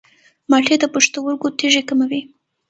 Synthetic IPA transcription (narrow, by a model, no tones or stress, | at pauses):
mɑʈed̪əpuʂt̪awəɾɡot̪eʒekəmawi